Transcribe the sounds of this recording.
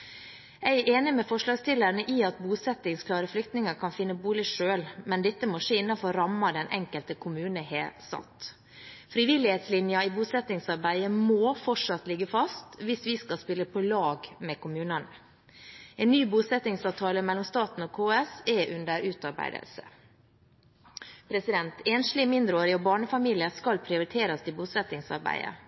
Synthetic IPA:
æɪʔeːnɪmɛfɔʂlɑːɡst̪ɪlːəɾɳəʔiɑt̪̚buːsɛt̪ːɪŋskʰlɑːɾəflʏkt̪nɪŋəkʰɑnfɪnːəbuːlɪʂøːlmɛnd̪ɛt̪ːəmoʂeːɪnːɑnfɔɾɑmːɑd̪ɛnʔɛ̰ŋkəlt̪əkʰʊmʉːnəɦḛːsɑ̰t̪ | fɾɪʋɪlɪheːt̪slɪnjɑɪbuːsɛt̪nɪŋsɑɾbæɪəmoːfɔʈʂɑt̪lɪɡːəfɑst̪ʋɪsʋɪskɑlspɪlːəpʰɔlɑːɡmɛkʊmʉːnən | ɛnːyːbuːsɛt̪nɪŋsɑːʋt̪ʰɑːləmɛlːɔmst̪ɑːt̪n̩ɔkʰoːɛsɛʔʉnd̪əɾʉːt̪ɑɾbæ̰ɪd̪ə̰lsə̰ | pʰɾɛsɪd̪ɛnt̪eːnslɪmɪnd̪ɾəoːɾɪɔːbɑːɳəfɑmiːlɪəskɑlpʰɾɪʊɾɪt̪ʰeːɾɑst̪ɪbuːsɛt̪ɪŋsɑ̰ɾbæ̰ɪə̰

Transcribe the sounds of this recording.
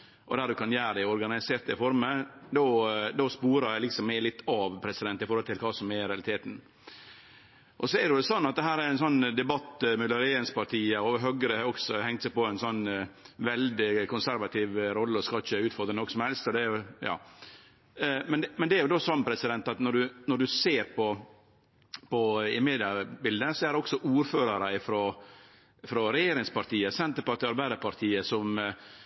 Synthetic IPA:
ʔɔ̰d̪æɾd̪ʉkʰɑnjæːɾəd̪æɪɔɾɡɑnɪseːɾt̪ɪfɔɾməd̪od̪ospuːɾəɾjæɪlɪksɔmːælɪt̪ːɑʋpʰɾɛsɪd̪ɛnt̪ɪfɔɾhɔlt̪ʰɪlkʰɑːsɔmɛɾɛɑlɪt̪ʰeːt̪n | ʔɔsɔɛɾdɛʊɛsɔnːɑt̪̚d̪ɛɦæːɾæɾɛnsɔnːd̪ɛbɑt̪ːmɛlːɔɾeənspɑɾʈʰiːəɔɦøɡəɾəhɑɔksɔhɛŋt̪sæɪpɔɛɪnsɔnː | ʋɛld̪ɪkʊnsæɾʋɑt̪ʰɪʋɾɔlːəɔskɑlçəʉːt̪fɔɾd̪ɾənɔksɔmhɛlst̪ɔd̪ɛɾjʊjɑ̰ː | mɛnd̪mɛnd̪ɛæɾjʊd̪oːsɑnːpʰɾɛsɪd̪ɛnt̪ɑt̪nɔɖʉnɔɖʉseːɾpʰɔ | pɔɪmeːd̪ɪɑbɪld̪əsɔæɾɛɔksɔʔuːɾføːɾɑɾəɪfɾoː | fɾɔɾɛjeːɾɪŋspɑɾt̪iːəsɛnt̪əɾpɑt̪ːɑɾbæɪd̪əpʰɑɾt̪ʰiːəsɔm

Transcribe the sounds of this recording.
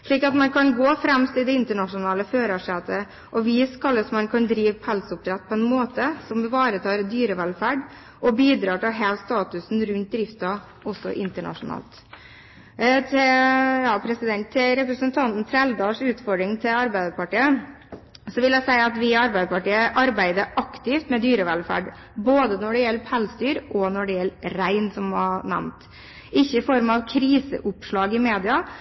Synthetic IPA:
ʂɭiːkɑt̪mɑnkʰɑnɡoːfɾɛmst̪ɪld̪ɛɪnt̪əɳɑʂʊnɑːləføːɾɑʂɛt̪ə | ʔɔʋiːskʰɑlːəsɔmɑnkʰɑnd̪ɾiːʋpʰɔhɛlsʊp̚t̪ʰɾɛt̪̚ːpʰɔɛnmoːt̪əsɔmʋɪʋɑːɾət̪ʰɑːɾd̪yːɾəʋɛlfæːɖ | ʔɔbiːd̪ɾɑːʈɪlɦeːlst̪ɑːt̪ʉsnɾʉnt̪̚d̪ɾɪft̪ɑ | ɔsːɔ̰ʔɪnt̪əɳɑ̰ʂʊnɑ̰ːlt̪ | t̪ʰɪjɑːpʰɾɛsɪd̪ɛnt̪ʰːɪɾɛpɾəsənt̪ʰɑnt̪n̩t̪ʰɾɛld̪ɑːʂʉːt̪fɔɖɾɪŋt̪ʰɪlɑɾbæɪd̪əpɑʈiːə | sɔʋɪljæɪsæɪɑt̪ʋɪɑɾbæɪd̪əpɑʈiːəʔɑɾbæɪd̪əʔɑkt̪ɪft̪mɛd̪yːɾəʋɛlfæ̰ːɖ | boːd̪ənɔɖɛjɛlːəpʰɛlsd̪yːɾʔɔnɔɖɛjɛlːɾæɪnsɔmɑnæ̰mt̪ | ʔɪçːəɪfɔɾmɑʋkʰɾiːsə̰ʔʊpʂɭɑːɡɪmeːd̪ɪɑ

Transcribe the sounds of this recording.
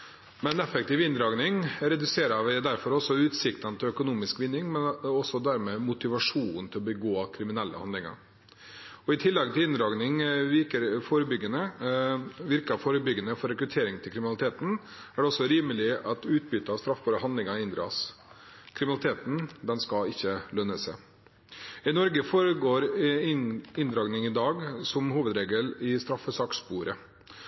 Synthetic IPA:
mɛnɛfək̚t̪ɪːʋɪnd̪ɾɑːɡnɪŋɾɛd̪ʉseːɾɑʋd̪æɾfɔɾɔsɔʉːt̪sɪkt̪ɑnət̪ʰɪlœkʊnuːmɪskʋɪnːɪŋmɛnɔsɔd̪æɾmeːmʊt̪ɪʋɑʂuːnn̩t̪ʰɪlɔbəɡoːɑkʰɾɪmɪnɛlːə̰hɑ̰nd̪lɪŋɑ̰ɾ | ɔɪt̪ʰɪlːɛɡt̪ʰɪlɪnd̪ɾɑːɡnɪŋʋɪɾkəɾfoːɾəbʏɡːənə | ʋɪɾkɑfoːɾəbʏɡːənəfɔɾɛkɾʉt̪ʰeːɾɪŋt̪ʰɪlkɾɪmɪnlɪt̪ʰeːt̪n̩ | æɖɛɔsːɔɾiːməlɪɑt̪ʉːt̪̚bʏt̪əɑst̪ɾɑfbɑːɾəɦɑnd̪lɪŋɑɪnd̪ɾɑ̰ːs | kʰɾɪmɪnɑlɪt̪ʰeːt̪n̩d̪ɛnskɑɪçːəlœnːəsɛ | ɪnɔɾɡəfoːɾəɡoːɾ | ɪnd̪ɾɑːɡnɪŋɪd̪ɑːɡsɔmhuːʋəd̪ɾeːɡəlɪst̪ɾɑfəsɑːkspuːɾə

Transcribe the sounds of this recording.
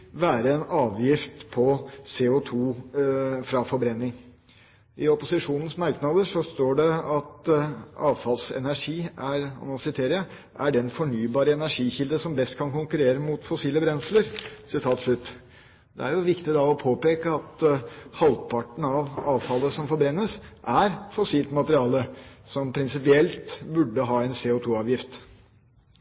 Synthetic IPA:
ʋæːɾəɛnɑːʋjɪft̪pʰɔseːʊt̪ʰuː | fɾɑfɔɾbɾɛnːɪŋ | ʔɪɔpʊsɪʂuːnən̩smæɾknɑd̪əʂɔst̪oːɖɛɑt̪ʔɑːʋfɑlsɛ̰næʂiːæɾɑ̰nɑsɪt̪ʰeːɾɪə | ʔæɖɛnfɔɳyːbɑːɾəɛnæʂiːçɪld̪əsɔmb̪ɛst̪̚kʰɑnkʊŋkʉɾeːɾəmʊt̪fɔsiːləbɾɛnsləɾsɪt̪ʰɑːt̪ʂlʉt̪ː | d̪ɛ̰æ̰ɾjʊʋɪkt̪ɪd̪ɑɔpʰoːpeːkəɑt̪hɑlpʰɑʈəɳ̩ɑʋɑːʋfɑlːəsɔmfɔɾbɾɛnːəsʔæɾt̪fɔsiːlt̪mɑt̪əɾɪɑːləsɔmpʰɾɪnsɪpɪɛlt̪bʉɖːəɦɑːɛnseːʊt̪ʰuːɑːʋjɪft̪

